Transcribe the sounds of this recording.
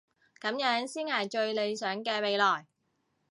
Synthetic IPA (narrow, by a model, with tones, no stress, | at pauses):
kɐ˨˥mjœː˨˥ŋsiː˥nŋaː˨˩jt͡ʃɵ˧ɥle˨˧jsœː˨˥ŋkɛː˧me˨˧jlɔː˨˩j